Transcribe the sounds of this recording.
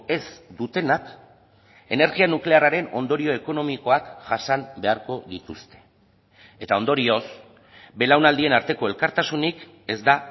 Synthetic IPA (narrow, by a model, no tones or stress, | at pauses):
e̞zd̪ut̪e̞nak | e̞ne̞ɾɣianukle̞araɾe̞no̞nd̪o̞ɾio̞e̞ko̞no̞miko̞akʝasambe̞aɾko̞ðit̪ust̪e̞̥ | et̪ao̞nd̪o̞ɾio̞s | be̞lawnald̪ie̞naɾt̪e̞ko̞e̞lkaɾt̪asunik | e̞zd̪a